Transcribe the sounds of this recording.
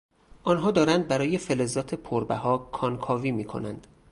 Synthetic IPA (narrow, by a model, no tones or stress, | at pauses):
ʔɒːnɦɒːd̪ɒːɾænd̪̚bæɾɒːje̞felezɒːt̪ʰepʰoɾbæɦɒːkʰɒnkʰɒːviːmiːkʰo̞̰nænd̪̥